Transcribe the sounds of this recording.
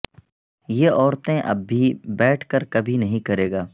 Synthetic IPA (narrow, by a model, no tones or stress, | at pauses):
jeʔɔːɾt̪ẽʔɐ̰bːibɛːʈʰkəɾkɐbʱinɐɦĩkɐɾeːɡaː